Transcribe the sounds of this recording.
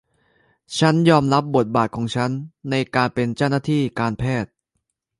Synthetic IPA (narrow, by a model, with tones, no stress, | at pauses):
t͡ɕʰa˦˥njɔː˧mɾa˦˥p̚bo˨˩t̪̚baː˨˩t̪̚kʰɔː˩˦ŋt͡ɕʰa˦˥nːa˧jkaː˧npe˧nt͡ɕa˥˩wna˥˩t̪ʰiː˥˩kaː˧npʰɛː˥˩t̪̚